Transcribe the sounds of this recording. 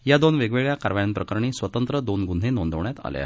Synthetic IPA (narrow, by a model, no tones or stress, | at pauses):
jad̪onʋeɡʋeɭjakaɾʋajənpɾəkəɾɳiːsʋət̪ənt̪ɾəd̪onɡun̤ʱenond̪əʋɳjat̪a̰lja̰